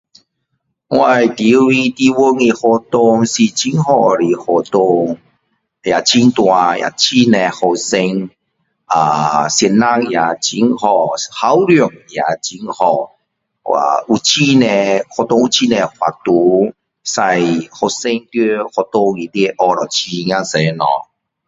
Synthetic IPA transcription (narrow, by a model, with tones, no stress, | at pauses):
wa˧jt̪i˨˦wi˧t̪i˧wo˦ŋi˧hɔ˧t̪o˧ŋsi˨t͡ɕi˦ŋhɔ˧˩ɾi˨˩hɔ˨t̪o˧ŋ | ja˨t͡ɕʰi˦nt̪wa˧ja̰˨t͡ɕʰi˦ne˧hɔ˧se˧ŋ | a˨˩sjɛ˧˩nːa˦ŋja˨˩t͡ɕi˨˦ŋhɔ˧˩ha˨˦wɾjɔ˨˩ŋja˨t͡ɕi˧˦ŋhɔ˧ | a̰˨u˨t͡ɕʰi˦nẽ˧hɔ˧˩t̪o˧ŋu˨t͡ɕʰi˦nẽ˨˧hwa̰˨t̪u˨˦ | sa˧jhɔ˧˩se˧ŋt̪e˦hɔ˧˩t̪o˧ŋi˨˩t̪i˦˧ʔɔ˧ɾɔ˨˩t͡ɕʰi˧ŋ̃˧ã˦˧se˨˦nɔ̰˨˦